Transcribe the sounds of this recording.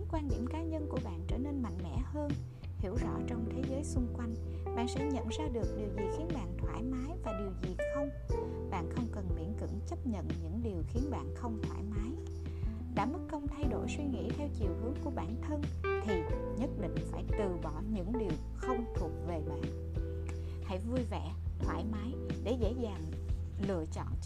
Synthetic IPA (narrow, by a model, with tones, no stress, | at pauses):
kwaː˧nɗḭ˧˩əmkaː˨˦ɲə˧nku˧˩əɓa̰ː˧˨nt͡ɕəː˧˩ne˧nma̰˧˨jŋ̟mɛ̰˧˥həː˧n | hḭ˧˩əwzɔ̰˧˥t͡ɕɔ˧wŋ͡mt̪ʰe˨˦zəː˨˦jsʊ˧ŋ͡mkwa˧jŋ̟ | ɓa̰ː˧˨nsɛ̰˧˥ɲə̰˧˨nzaː˧ɗɨ˨˩ək̚ɗi˨˩əwzi˨˩xi˨˦ənɓa̰ː˧˨nt̪ʰwaː˧˩jmaː˨˦jvaː˨˩ɗi˨˩əwzi˨˩xə˧wŋ͡m | ɓa̰ː˧˨nxə˧wŋ͡mkə˨˩nɓḭ˧˩ənkɨ̰˧˥ŋt͡ɕə˦˥p̚ɲə̰˧˨nɲɨ̰˧˥ŋɗi˨˩əwxi˨˦ənɓa̰ː˧˨nxə˧wŋ͡mt̪ʰwaː˧˩jmaː˨˦j | ɗa̰ː˧˥mɨ˦˥kkːə˧wŋ͡mt̪ʰa˧jɗo˧˩jswi˧ŋḭ˧˥t̪ʰɛ˧wt͡ɕi˨˩əwhɨ˨˦əŋku˧˩əɓaː˧˩nt̪ʰə˧nt̪ʰi˨˩ | ɲə˦˥t̚ɗḭ˧˨ŋ̟faː˧˩jt̪ɨ˨˩ɓɔ˧˩ɲɨ̰˧˥ŋɗi˨˩əw | xə˧wŋ͡mt̪ʰu˨˩ək̚ve˨˩ɓa̰ː˧˨n | ha̰˧˥jvu˧jvɛ̰˧˩t̪ʰwaː˧˩jmaː˨˦jɗe˧˩zḛ˧˥zaː˨˩ŋ | lɨ̰˧˨ət͡ɕɔ̰˧˨n